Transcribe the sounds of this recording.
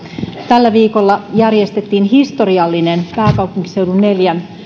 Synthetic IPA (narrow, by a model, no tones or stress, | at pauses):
t̪ælːæʋiːko̞lːɑjærjest̪et̪ːiːnɦist̪o̞riɑlːinenpæːkɑuwpuŋki̥se̞wdunːe̞ljæn